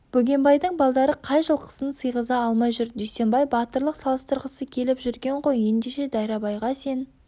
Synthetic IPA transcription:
b̥ɵɡʲe̞mbɑjd̪əɴbɑlˠd̪ɑɾəqʰɑjʒəlˠqʰə̥sənsəjʁəzɑːlˠmɑjʒʏɾd̪ʏjse̞mbɑjbɑt̪əɾlˠəqsɑlˠəst̪əɾʁəsəkʲʰe̞lɪpʒʏɾɡʲe̞ɴʁo̞je̞nd̪e̞ʃe̞d̪ɑjɾɑbɑjʁɑse̞n

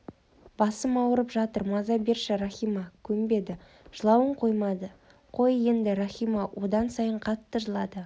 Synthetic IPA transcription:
b̥ɑsəmɑwəɾəpʒɑt̪əɾmɑzɑbe̞ɾʃɪɾaχʲijmɑkʲʰɵmbe̞d̪ɪ | ʒ̥əlˠɑwəɴqʰo̞jmɑd̪ə | qʰo̞je̞nd̪ɪɾaχijmɑwʔo̞d̪ɑnsɑjəɴqʰɑt̪ːəʒəlˠɑd̪ə

